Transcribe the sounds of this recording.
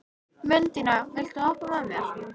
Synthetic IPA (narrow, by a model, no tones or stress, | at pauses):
mʏnt̪ɪnavɪl̥t̪ʏɔwhpʏvðamjɛɾ̥